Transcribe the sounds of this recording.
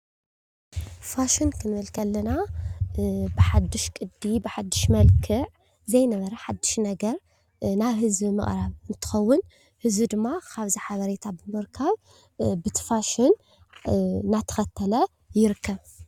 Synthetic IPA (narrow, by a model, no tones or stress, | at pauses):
faʃɪnkʰɨnβɐlkʰɐlːɐna | bɨħad̪ːɨʃkʼɨd̪ibɨħad̪ːɨʃmɐlkʰɨʕ | zɐjnɐβɐɾɐħad̪ːɨʃnɐɡɐɾ | naβhɨzbimɨ̰ʔʼɾaβɨnt̪ʰɨ̥xɐwːʊn | hɨzbid̪ɨmːakʰaβziħaβɐɾet̪ʰabɨmɨɾkʰaβ | bɨt̪ʰɨ̥faʃɪn | at̪ʰɐ̥xɐt̪ʰːɐlɐ | jɪɾɨkːɐβ